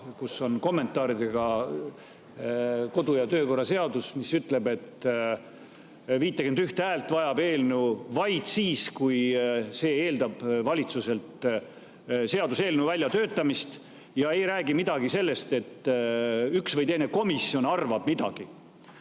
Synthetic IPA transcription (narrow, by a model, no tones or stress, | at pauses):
kusːo̞nko̞mːe̞nt̪ːˑɑːɾid̪eɡ̥ɑ | ko̞d̪ujɑt̪øːko̞rːɑse̞ɑd̪usmisyt̪ˑle̞be̞t̪ː | viːt̪ːˑɑkend̪yht̪ehæːlt̪vɑjɑbe̞ːlnuvɑjd̪̥siːskujse̞ːe̞ːld̪ɑb̥vɑlʲit̪suse̞lt̪ | se̞ɑd̪use̞ːlnuvælʲjɑt̪ø̞ːt̪ːˑɑmist̪ | jɑe̞jɾæːɡ̥imid̪̥ɑɡ̥ise̞lːe̞st̪e̞t̪ː | yksvɤjd̪e̞jneko̞misːio̞nɑrvɑb̥mid̪ɑ̰ɡ̥i